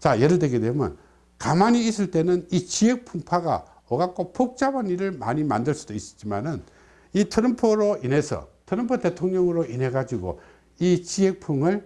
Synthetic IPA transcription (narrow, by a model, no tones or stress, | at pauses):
t͡ɕajeɾɯɭdwe̞ɡedwemjʌ̰n | kamaɲiːs͈ɯɭt͈e̞nɯnit͡ɕiek̚pʰuŋpʰaɡa̰ | ʌɡak͈opʰok̚t͡ɕ͈abʌniɾɯɭma̰ɲima̰ndɯɭs͈u̥d̥ois͈ʌ̥t̚t͡ɕ͈ima̰nɯn | itʰɯɾʌmpʰoɾoine̞sʰʌ̰tʰɯɾʌmpʰʌte̞tʰoŋɲʌŋɯɾoʔinɦe̞ɡad͡ʑiɡo̰ | it͡ɕiek̚pʰuŋɯɭ